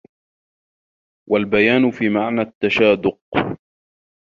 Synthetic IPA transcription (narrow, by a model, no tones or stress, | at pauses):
wʔalbajaːnʊfiːmaʕnat̪ːaʃaːd̪ʊq̚